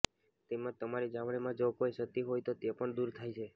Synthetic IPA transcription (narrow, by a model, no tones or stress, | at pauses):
t̪emãt̪əmaɾed͡ʒaʋɽemãd͡ʒokojʃət̪iɦojt̪ot̪epəɳd̪uɾt̪ʰajt͡ʃʰe